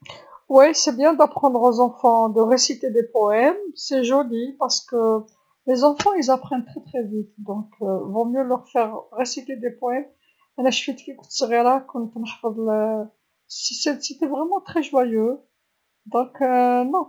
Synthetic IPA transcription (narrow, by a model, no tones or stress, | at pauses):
wisɛbjɛ̃d̪apχɑ̃d̪ʁozɑ̃fɑ̃d̪əʁesit̪ed̪epɔɛmsɛʒolipaʁsə̥kə | lezɑ̃fɑ̃ilzapχɛnt̪χɛt̪χɛvit̪d̪ɔ̃kvɔ̃mjølœʁfɛʁʁesit̪ed̪epɔɛm | ɛnaʃfit̪kiku̥t̪səʁjɛ̃lakɔnt̪ənħfəd̪ˤlə | sisɛset̪ɛvʁɛmɑ̃t̪χɛʒwajø | d̪ɔ̃knɔ̃